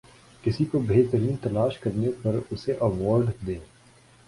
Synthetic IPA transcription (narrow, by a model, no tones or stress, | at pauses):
kɪsikobʱeɦt̪əɾiːnt̪ɐlaːʃkɐɾnepɐɾʊseʔɐʋɔːɾɖd̪ẽː